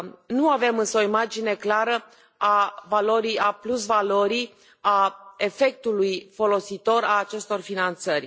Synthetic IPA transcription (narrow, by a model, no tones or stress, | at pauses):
nuave̞mɨnsəoimad͡ʒine̞klaɾə | avalo̞ɾiaplusvalo̞ɾi | ae̞fe̞k̚t̪ulujfo̞lo̞sit̪o̞ɾaːt͡ʃe̞st̪o̞rfinant̪sərʲ